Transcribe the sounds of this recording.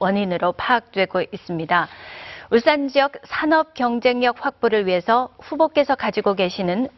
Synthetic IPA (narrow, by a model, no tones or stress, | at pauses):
wʌɲinɯɾopʰaːk̚t͈we̞ɡoʔis͈ɯmɲidauɭs͈and͡ʑiʌk̚sʰanʌp̚kjʌŋd͡ʑe̞ŋɲʌk̚ɸwak̚p͈oɾɯɭɥiɦe̞sʰʌɸubok͈e̞sʰʌkad͡ʑiɡoɡe̞ɕʰinɯn